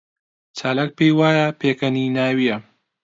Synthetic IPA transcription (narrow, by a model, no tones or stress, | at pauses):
t͡ʃaːlaːk̚pejwaːjɐpʰeːkɐninaːwijɐ